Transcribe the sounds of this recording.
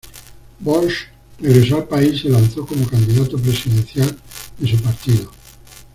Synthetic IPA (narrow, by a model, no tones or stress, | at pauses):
bolʃ | reɣɾesoalpaiselanθokomokand̪iðat̪opɾesiðen̟θjald̪esupaɾt̪iðo